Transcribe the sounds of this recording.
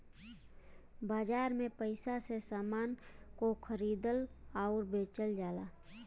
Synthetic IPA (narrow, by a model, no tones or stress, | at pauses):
baːd͡ʒaːɾmẽpəɪsasesaːmaːnkokʰəɾiːd̪əlaʊɾbeːt͡ʃəld͡ʒaːlaː